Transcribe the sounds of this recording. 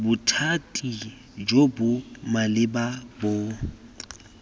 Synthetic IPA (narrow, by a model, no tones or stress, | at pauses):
bʊtʰatʼi | d͡ʒobʊmalɪbabo